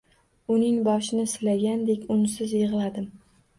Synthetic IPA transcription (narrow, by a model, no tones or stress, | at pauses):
ʊnɪŋbɒʃɪnɪsɪlaɡʲand̪ekʲʊnɪsɪzjeʁlˠad̪ɪm